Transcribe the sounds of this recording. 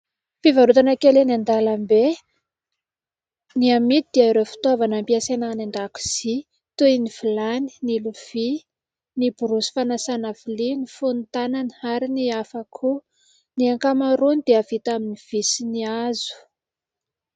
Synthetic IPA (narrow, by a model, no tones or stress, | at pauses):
fivaɾut̪anakelenand̪alambe | niamit̪id̪̥eaiɾefi̥t̪avanampiasenanaɳɖ͡ʐaku̥z̥i | t̪uiniv̥ilani̥niluv̥i | nibuɾusi̥fanasanavilinifunt̪ananaɾiniafakʰu | niaŋkamaɾunid̪̥eavit̪aminiv̥isiniazu̥